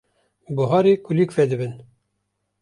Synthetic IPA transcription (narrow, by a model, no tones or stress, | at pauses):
buɦɑːɾekʰulikfɛd̪ɨbɨn